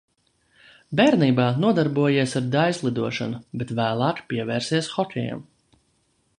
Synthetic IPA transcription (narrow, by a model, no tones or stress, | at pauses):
bɛːɾniːbaːnuɔd̪aɾbuɔjiɛsaɾd̪ajslˠid̪uɔʃa̰nubet̪væːlˠaːkpʲiɛvɛːɾsiɛsxɔtʲɛjɛ̰m